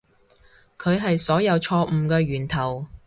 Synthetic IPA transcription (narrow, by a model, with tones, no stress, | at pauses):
kʰɵ˨˧ɥɦɐ˨jsɔː˨˥jɐ˨˧wt͡ʃʰɔː˧m̩ː˨˧kɛː˧ɥyː˨˩nt̪ʰɐ˨˩w